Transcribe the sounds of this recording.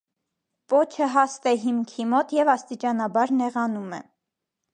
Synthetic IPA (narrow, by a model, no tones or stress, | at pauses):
pɔt͡ʃʰəɦɑst̪ɛɦimkʰimɔt̪jɛvɑst̪it͡ʃɑnɑbɑɾnɛʁɑnumɛ̰